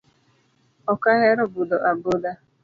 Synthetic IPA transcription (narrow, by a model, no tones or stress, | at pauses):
ɔkaɦeɾʊbʊdɔʔabʊda